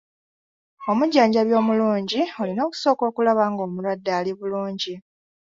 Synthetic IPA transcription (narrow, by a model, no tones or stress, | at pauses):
o̞muɟːaːɲɟaβjo̞ːmuluːɲɟiolino̞ːku̥so̞ːko̞ːkulaβaːŋɡo̞ːmulwadːaːliβuluːɲɟi